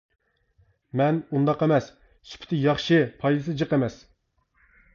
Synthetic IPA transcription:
mɛnund̪ɑqemɛs | sy̥pʰɪ̥t̪ʰɪjɑχʃɨpʰɑjd̪ɨsɨd͡ʒɨqemɛs

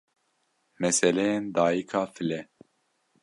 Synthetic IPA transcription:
mɛsɛlɛjend̪ɑːjikʰɑːfɨlɛ

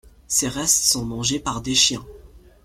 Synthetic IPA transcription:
seʁɛst̪sɔ̃mɑ̃ʒepaʁd̪eʃjɛ̃

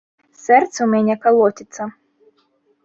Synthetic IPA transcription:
sɛrt̪sɐwmʲanʲɛkalˠɔt̪ʲit̪sɐ

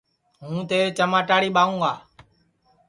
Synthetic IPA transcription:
ɦũːt̪eːɾeːt͡ʃəmaːʈaːɽiːɓaːũːɡaː

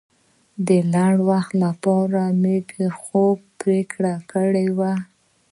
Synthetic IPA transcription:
d̪əlaɳwaxt̪lapɑɾamebexob̚pɾekɽakəɽewa

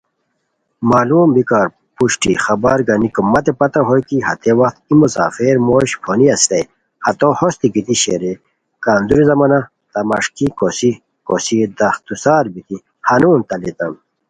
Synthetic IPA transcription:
maːluːmbikaːɾ | puɕʈixɐbaɾɡɐnikumːɐt̪epɐt̪ɐɦojkihɐ̰t̪ewɐxt̪imusa̰ːfeɾmoːɕpʰoniɐst̪ɐj | hɐt̪ohost̪ikit̪iɕeɾe | kaːnd̪uɾizɐmɐna | t̪ɐmɐʂkikosi | ko̰sid̪ɐxt̪usaːɾbit̪i | hanuːnt̪ɐlit̪ɐn

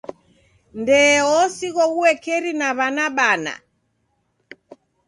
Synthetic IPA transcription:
ndɛɔsiɣɔɣuwɛkɛɾinaβanaɓana̰

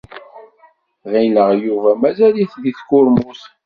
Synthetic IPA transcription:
ʁiləʁjuvæmæzæliθðiθkʊɾmus

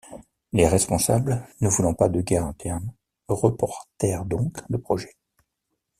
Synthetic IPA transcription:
leʁɛspɔ̃sablnəvulɑ̃pad̪əɡʲɛʁɛ̃t̪ʰɛʁn | ʁəpɔʁt̪ɛʁd̪ɔ̃kd̪əpχɔʒɛ

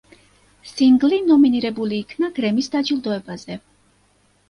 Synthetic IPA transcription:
siŋɡlinɔminiɾɛbuliːkʰnaɡɾɛmisd̪ad͡ʒilˠd̪ɔɛbazɛ

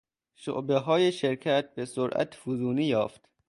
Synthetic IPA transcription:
ʃo̰ʔbeɦɒːjeʃeɾcʰæt̪̚besoɾʔæ̰t̪fuzuːniːjɒːft̪

